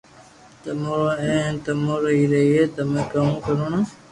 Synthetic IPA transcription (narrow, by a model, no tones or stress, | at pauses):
t̪əmooẽːnt̪əmoːɾəɦiːɾəɦiːɦeːt̪əmẽːkəmũːkəɾoːnaː